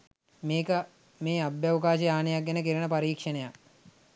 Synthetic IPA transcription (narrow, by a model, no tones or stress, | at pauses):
meːkə | meːabjaʋkaːʃɐjaːnejak̚ɡenəkiɾənəpaɾiːkʂənejak